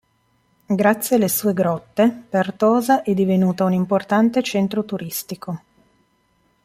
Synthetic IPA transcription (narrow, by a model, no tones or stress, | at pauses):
ɡɾat̪sːjealːesuːeɡɾɔt̪ːepert̪ɔːzaʔɛd̪ivenuːt̪aunimport̪ant̪et͡ʃɛnt̪ɾot̪uɾist̪iko